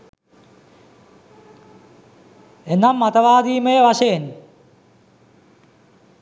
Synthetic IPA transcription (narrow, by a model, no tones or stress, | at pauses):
enamːat̪ɐʋaːd̪iːməjəʋaʂɐjen